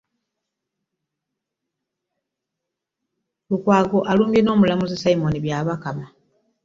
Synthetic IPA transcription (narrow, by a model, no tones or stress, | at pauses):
lukwaːɡo̞ʔaluːmbjeno̞ːmulamuzesaimoniβjaβakama